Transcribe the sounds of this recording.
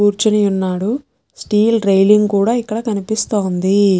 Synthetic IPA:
uːɾt͡ʃɐnijunːaːɽu | sʈiːlɾɐjliŋɡkuːɽaːikːɐɽɐkɐnipist̪oːnd̪i

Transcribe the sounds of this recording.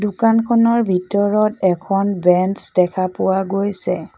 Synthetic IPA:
dukankʰɔnɔɹbʱitɔɹɔtɛkʰɔnbɛnsdɛkʰapʊwaɡojsɛ

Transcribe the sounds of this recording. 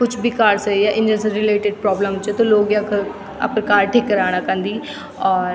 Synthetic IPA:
kʊt͡ʃʰbiːkaːɾsəɛːʔɪ̃nd͡ʒənsɾɪleːʈɪɖ̚pɾɔːbləmɪt͡ʃɛːt̪õːloːɡak | a̰pnkaːɾʈʰeːkəɾaːɽ̃aːkə̃nd̪iː | ɔːɾ

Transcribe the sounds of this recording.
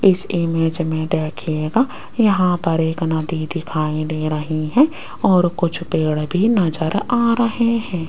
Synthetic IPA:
ɪsɪmeːd͡ʒmẽɖɛːkʰeːɡaː | jɐɦãpɐɾeːknɐd̪id̪ɪkʰaːĩd̪eːɾɐɦiɦɛ̃ | ɔːɾkʊt͡ʃʰpeːɽbʱinɐd͡ʒəɾaːɾɐɦeɦɛ̃ː

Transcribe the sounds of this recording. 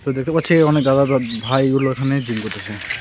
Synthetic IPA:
t̪ɔd̪ɛk̚ʰt̪apat͡ʃʰɛɔnek̚d̪ad̪abʱajɡulɔekʰaned͡ʒimkot̪ʰasɛ

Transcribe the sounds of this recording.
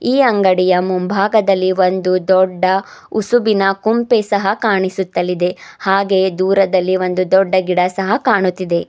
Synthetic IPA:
iːɐŋɡɐɽijɐmumbʱaːɡɐd̪ɐlːiʋo̞nd̪ud̪ɔɖːɐusubinɐkumpesɐɦɐkaːɳisut̪ːɐlːid̪e̞haːɡe̞ːd̪uːɾɐd̪ɐlːiʋo̞nd̪ud̪ɔɖːɐɡiɽɐsɐɦɐkaːɳut̪ːid̪e

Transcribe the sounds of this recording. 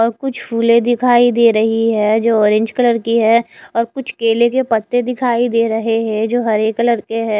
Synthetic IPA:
ɔːɾkʊt͡ʃʰfʰuːlẽd̪ɪkʰaːid̪eːɾɐɦiɦɛːd͡ʒoːɔːɾẽɲd͡ʒkɐləɾkiɦɛɔːɾkʊt͡ʃʰkeːlekepɐt̪ːed̪ɪkʰaːid̪eːɾɐɦeɦɛ̃d͡ʒoːɦɐɾeːkːɐləɾkeɦɛ̃ː

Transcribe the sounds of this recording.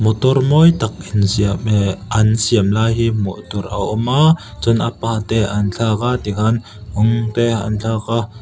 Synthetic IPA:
mɔt̪ɔrmɔjt̪ɐk̚insiəmʔɐnsiəmlaːjɦiːmɔ̰ʔt̪ɔrʔɐʔɔmaː | t͡sʊnʔapaːt̪eʔɐnt͡ɬʰaːkat̪ikʰɐn | ʊŋt̪eɐ̰nt͡ɬʰaːka

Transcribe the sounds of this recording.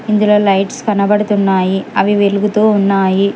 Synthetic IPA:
ɪnd̪ɪloːlɐɪʈskɐnɐbɐɽɯt̪unːaːjiɐʋiʋɛlɯɣɯt̪oːʊnːaːji

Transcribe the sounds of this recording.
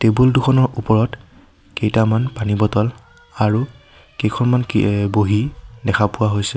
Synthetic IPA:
tebulduxʰɔnɔɹupɔɹɔt | kejtamanpanibɔtɔl | aɹu | kejkʰɔnmankboɦidɛkʰapʊwaɦojsɛ

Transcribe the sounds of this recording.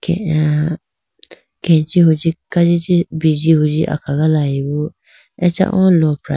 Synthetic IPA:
kɛ | kɛ̃nt͡ʃihod͡ʒikad͡ʒɪtɪbid͡ʒihod͡ʒiʔa̰kʰaɡalajiwo | ɛt͡ʃa̰ʔɔ̰̃lɔpʰɾa̰

